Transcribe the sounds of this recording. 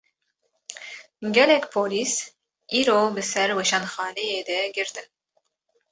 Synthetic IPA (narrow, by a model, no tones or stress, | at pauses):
ɡʲɛlɛkʲpʰoːliːs | iːɾoːbɨsɛɾwɛʃɑnxɑːlejeːd̪ɛɡɨɾt̪ɨ